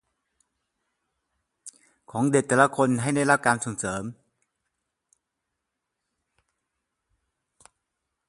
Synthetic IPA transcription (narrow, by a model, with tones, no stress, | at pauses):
kʰɔː˩˦ŋde˨˩t̪ːɛ˨˧˩la˧˥kʰo˧nɦa˥˩jda˧˥˩la˦˥˩p̚kaː˧nsoː˨˩˦ŋsɤː˩˦m